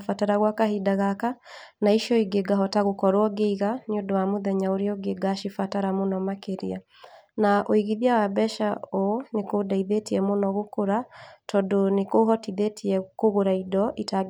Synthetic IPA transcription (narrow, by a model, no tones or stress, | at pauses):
fataɾaɣwakahidaɣaka | naiʃjɔiɡeɡaɦɔtaɣokɔɾoɔɡeiɣanodɔwamoðɛɲaoɾeɔɡeɡaʃifataɾamonɔmakeɾḭa | naʔoiɣiðiawabɛʃaonekodaiðetiɛmonɔɣokoɾatɔdonekoɦɔtiðetʰiɛkoɣoɾaidɔʔita